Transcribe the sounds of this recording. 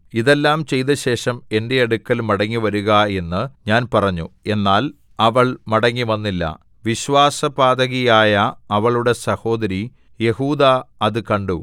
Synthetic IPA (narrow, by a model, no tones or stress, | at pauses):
iðe̞lːaːmt͡ɕe̞jt̪ɐɕe̞ːʂɐme̞nde̞ɐɽukːɐlmɐɽɐŋːiʋɐɾuɣɐe̞nːɨɲaːnpɐrɐɲːue̞nːaːl | ɐʋɐɭmɐɽɐŋːiʋɐnːilːɐ̰ | ʋiɕʋaːsɐbaːd̪ɐɣijaːjɐːʋɐɭuɽe̞sɐho̞ːd̪ɐɾi | je̞huːd̪aɐðɨkɐɳɖu